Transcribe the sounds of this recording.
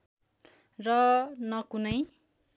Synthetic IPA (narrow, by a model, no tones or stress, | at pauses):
rʌnʌkunʌj